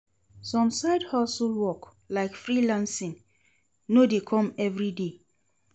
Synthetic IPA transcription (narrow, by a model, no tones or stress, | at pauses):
sɔ̃msaɪdhɔsulwɔk | laɪkfɹilãnsĩn | nodekʰɔ̃mɛvɹide